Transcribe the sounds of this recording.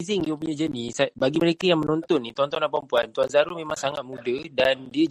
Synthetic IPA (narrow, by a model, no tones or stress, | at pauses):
zɪŋiəp̬uɲad͡ʒənisabaɡiməɾekajaŋmənɔnt̪ɔnːit̪ɔnt̪ɔnapampuant̪uanzaɾumẽmaŋsaŋat̪̚mũdədandiə